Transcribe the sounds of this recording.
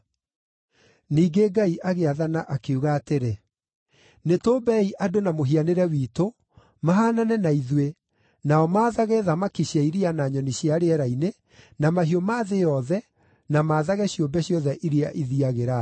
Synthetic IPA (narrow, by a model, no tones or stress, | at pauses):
niːɡeɡaiʔaɣeaðanaʔakeuɣaːteɾe | netoːbɛiʔadonamoɦianeɾɛwiːto | maɦaːnanɛnaiðwe | naɔmaːðaɣɛðamakiɕjaiɾianaɲɔniɕjaɾeɛɾaine | namaɦiɔmaːðejɔðɛ | namaːðaɣɛɕiombɛɕjɔðɛʔiɾiaʔiðiaɣeɾa